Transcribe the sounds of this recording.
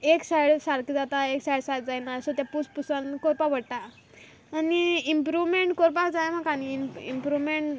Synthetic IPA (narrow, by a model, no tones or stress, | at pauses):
eksajɽsaɾkd͡zat̪aeksajɽsajt̚d͡zajnasɔt̪apuspusankoɾpaʋəɽt̪aː | niimpɾuʋmeɳʈkoɾp̬ad͡zajam̤akaniḭmpɾuʋmeɳʈ